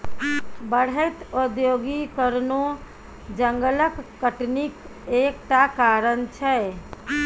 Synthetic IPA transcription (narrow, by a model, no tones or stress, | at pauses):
bəɽ̤əɪt̪od̪joɡikəɾno | d͡ʒəŋɡələkːəʈnikekʈakaɾənt͡ʃʰɛ